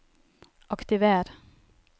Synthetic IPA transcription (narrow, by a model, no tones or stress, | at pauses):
ʔɑkt̪ɪʋeːɾ